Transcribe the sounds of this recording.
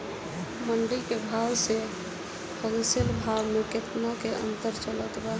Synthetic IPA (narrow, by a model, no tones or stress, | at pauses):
məɳɖikebʱawse | pʰodə̃səlbʱabmeket̪nakeʔə̰nt̪əɾt͡ʃələt̪ba